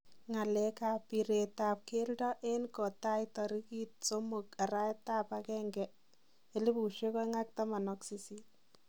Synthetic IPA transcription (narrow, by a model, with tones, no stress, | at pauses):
ŋa˨lɛka˨pi˨ɾe˨tap̚ke˦ldɔ˦ʔe˦nko˨ta˦jtɔ˨ɾi˦kit̚so˦moka˨ɾa˦ta˦pakɛ˦ŋɡɛ | e˨li˦pu˨ʃe˦kɔ˦ŋa˦k̚ta˦ma˨nɔksi˦si˦t̚